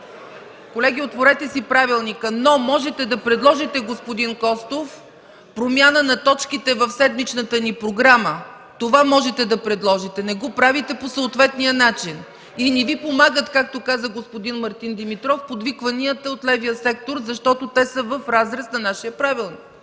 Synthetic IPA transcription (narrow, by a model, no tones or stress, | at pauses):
kolɛɡʲiot̪voɾɛt̪ɛsipɾavilˠnikənomɔʒɛt̪ɛd̪ɐpɾɛd̪lˠɔʒit̪ɛɡospod̪inkɔst̪of | pɾomʲanənɐt̪ɔt͡ʃkit̪ɛvəfsɛd̪mit͡ʃnət̪ənipɾoɡɾamə | t̪ovamɔʒɛt̪ɛd̪ɐpɾɛd̪lˠɔʒit̪ɛnɛɡopɾavit̪ɛposəːt̪vɛt̪nijənat͡ʃin | inɛvipomaɡət̪kak̚t̪okazəɡospod̪inmɐɾt̪ind̪imit̪ɾɔfpod̪vikvɐniət̪əot̪lɛvijəsɛk̚t̪oɾzɐʃt̪ɔt̪ot̪ɛsəvəfɾazɾɛsnɐnaʃiəpɾavilˠnik